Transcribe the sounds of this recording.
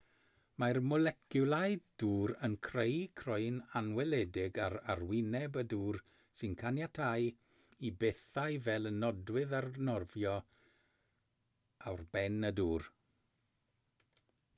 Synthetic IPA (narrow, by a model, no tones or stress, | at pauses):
marmɔlɛkʰjʊlˠaɨdd̥uːɾənkʰrejkʰrɔɨnanwɛlɛdɪɡararwɪnɛbəduːr | sɨnkʰanjatʰaj | ibeθajvɛlˠənɔdwɪðarnɔrvjɔ | awrb̥ɛnəduːr